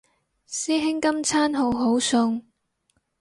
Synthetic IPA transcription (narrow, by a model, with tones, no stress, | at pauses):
siː˥ɦɪ˥ŋkɐ˥mt͡sʰaː˥nɦo˨˧wɦo˨˥wsʊ˧ŋ